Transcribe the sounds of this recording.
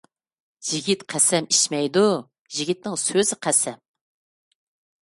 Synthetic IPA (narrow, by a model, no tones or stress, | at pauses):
ʒiɡʲit̪qʰæsɛmiʃmɛjd̪u | ʒiɡʲit̪̚nɪŋsøzɪqʰæsɛm